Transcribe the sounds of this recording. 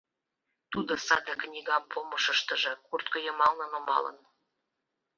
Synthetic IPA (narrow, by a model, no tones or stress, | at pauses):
t̪ud̪osɑd̪əknʲiɣɑmpʰoməʃəʃt̪ə̆ʒĕkurt̪kojəmɑlnənŏmɑ̰lə̰n